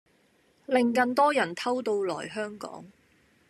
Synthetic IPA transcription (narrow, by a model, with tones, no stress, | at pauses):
lɪ˨˧ŋkɐ˧nt̪ɔː˥jɐ˨˩nt̪ʰɐ˥wt̪o˧wlɔ̰ː˨˩jɦœː˥ŋkɔ̰ː˨˥ŋ